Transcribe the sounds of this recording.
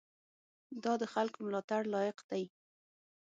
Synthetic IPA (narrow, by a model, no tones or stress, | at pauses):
d̪ɑd̪əxalkomlɑt̪aɽlɑjɪqd̪aj